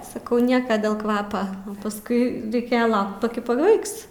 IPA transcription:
sɐˈkɐʊ ˈnʲiɛkɐ dʲeːlˠ ˈkʋɑːpɐ pɐsˈkʊɪ rʲɛɪˈkʲeːjɛ ˈlˠɐʊkt pɐˈkʲɪ pɐˈbɐɪks

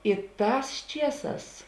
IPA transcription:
ɪ ˈtɑːs ˈt͡ʃʲiɛˌsɑːs

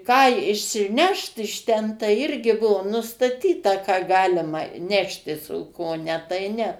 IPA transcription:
ˈkɑː ɪʃʲsʲɪˈnʲɛʃt ɪʃ ˈtʲɛn tɐɪ ˈɪrʲɡʲɪ ˈbuɔ nʊstɐˈtʲiːtɐ kɑː ˈɡɑːlʲɪmɐ ˈnʲæːʃʲtʲɪs oː ˈkoː ˈnʲɛ tɐɪ ˈnʲɛ

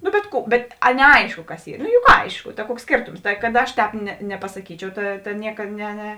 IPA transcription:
nʊ bʲɛt ˈkuː bʲɛt ɐ nʲɛˈɐɪʃkʊ kɐs ˈiː nʊ jʊk ˈɐɪʃkʊ tɐ ˈkuɔks ˈsʲkʲeːrtoːms tɐɪ kɐt ˈɐʃ ˈtʲɛːp nʲɛ nʲɛpɐsɐˈkʲiːt͡ʃʲɛʊ ˈtɐ ˈnʲiɛkɐ nʲɛ nʲɛ

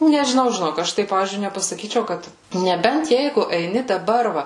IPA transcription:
nʲɛʒʲɪˈnɐʊ ʒʲɪˈnoːk ˈɐʃ tɐɪ ˈpɑːʋʲiːzʲd͡ʒʲʊɪ nʲɛpɐsɐˈkʲiːt͡ʃʲɛʊ ˈkɐt nʲɛˈbʲɛnt ˈjɛɪɡʊ ɛɪˈnʲɪ dɐˈbɐr ˈʋɐ

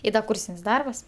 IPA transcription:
ɪ ˈdɐ ˈkuːrʲsʲɪnʲsʲ ˈdɐrbɐs

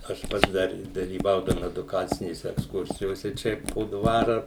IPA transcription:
ɐʃ ˈpɐts dɐr dɐlʲiːˈʋɐʊdɐʋoːm ɛdʊˈkɑːt͡sʲɪnʲeːsʲɛ ɛksˈkʊrʲsʲɪjoːsʲɛ ˈt͡ʃʲɛ poː ˈdʋɑːrɐ

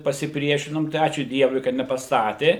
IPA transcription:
pɐsʲɪˈpʲrʲiɛʃʲɪnoːm tɐɪ ˈɑːt͡ʃʲuː ˈdʲiɛʋʊɪ kɐt nʲɛpɐˈstɑːtʲeː

